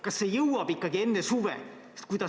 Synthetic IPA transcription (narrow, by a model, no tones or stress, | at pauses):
kɑsse̞jɤwɑb̥ikːɑɡie̞nːesuvḛ | t̪kujd̪ɑ